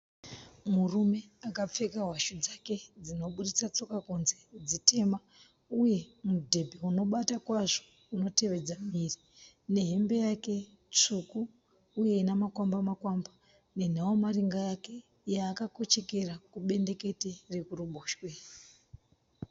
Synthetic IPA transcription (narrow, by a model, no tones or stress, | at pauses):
murume̞akap͡fe̞kaɦwaʃud͡zake̞d͡zino̞ɓuɾit͡sat͡so̞kakunze̞d͡zite̞ma | uje̞mudʱe̞bʱeuno̞ɓatakwaʐo | uno̞te̞ʋe̞d͡zamiri | ne̞ɦe̞mbe̞jake̞ | t͡ʂukuː | je̞inamakwambamakwamba | ne̞n̤awomariŋɡajake̞ | jaːkako̞t͡ʃe̞ke̞ɾakuɓe̞nde̞ke̞terekuruɓoːʃwe